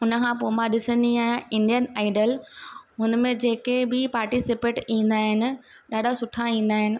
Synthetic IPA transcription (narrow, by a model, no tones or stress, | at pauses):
ʊnəkʰãpoːmãɗɪsə̃nd̪iaːjãɪ̃ɳɖijənaːɪɖəlɦʊnəmẽd͡ʑeːkebɪpaːɾʈisɪpeːʈĩːn̆d̪aːɦɪnɪ̆ | ɗaːɖʱasʊʈʰaĩːn̆d̪aːɦɪnɪ̆